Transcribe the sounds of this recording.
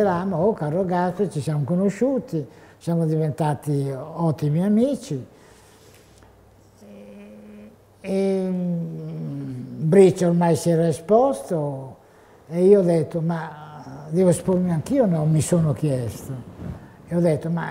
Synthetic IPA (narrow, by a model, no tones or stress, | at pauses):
eɾaːmoɔkaːɾoɡaspet͡ʃisjamokonoʃuːt̪isjamod̪ivent̪aːt̪iɔt̪ːimiamiːt͡ʃi | e | bɾit͡ʃːormajsjɛɾaespɔst̪o | eiːod̪ɛt̪ːomad̪ɛːvoespoɾmiaŋkiːonɔmisoːnokjɛst̪oeɔd̪et̪ːoma